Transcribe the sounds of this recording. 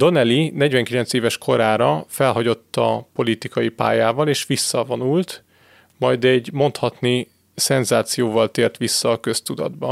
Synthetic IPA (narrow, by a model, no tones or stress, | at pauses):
d̪o̞nɛlinɛɟvɛŋkilɛnseːvɛʃkʰo̞ɾaːɾɒfɛlɦɒɟo̞t̪ːɒpo̞lit̪ikɒjipa̰ːjaːvɒleːʃʋisːɒvonult̪ | mɒjd̪ɛɟmo̞nt̪hɒt̪ni | sɛnzaːt̪sijoːvɒlt̪eːrt̪ʋisːɒːkø̞st̪ud̪ɒ̰d̪bɒ